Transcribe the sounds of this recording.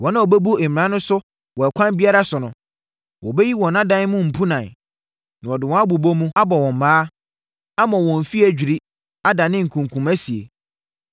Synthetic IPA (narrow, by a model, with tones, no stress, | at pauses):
wɔ̃˨nã˦ɔ˨bɛ˦bu˦ɛ˨mɪ̃˨ɾã˦nʊ̃˦sʊ˦ | wɔ˨ɛ˨kʷʰã˦nbi˦a˦ɾa˦sʊ˨nʊ̃˨ | wɔ˨bɛ˦ji˦wɔ̃˨nã˦dã˦n˦mʊ̃˦m̩˨pʰu˦nã˨n | nã˨ɔ˨dɪ˨wɔ̃˦a˦bu˨bo˦mũ˦a˦bɔ˨wɔ̃˨m̩˨maː˦ | a˦mã˨wɔ̃˨m̩˨fi˦æ˨d͡ʑᶣi˨ɾi˦ | a˦dã˨nɪ̃˦ŋ̩˨kʰũ˨ŋkʰũ˨mæ˦si˨ḛ˨